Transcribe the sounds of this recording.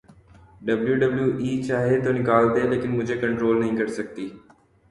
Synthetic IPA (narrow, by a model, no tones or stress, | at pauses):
ɖɐbljuɖəbljuːʔiːt͡ʃaːɦet̪onɪkaːld̪eleːkɪnmʊd͡ʒʱekɐ̃ɳʈɾoːlnɐɦĩkɐɾsɐk̚t̪iː